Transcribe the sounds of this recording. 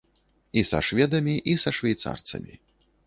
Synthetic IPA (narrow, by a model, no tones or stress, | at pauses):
isɐ̰ʂvʲɛd̪ɐmʲiʔisɐʂvʲɛjt̪sa̰rt̪sɐ̰mʲi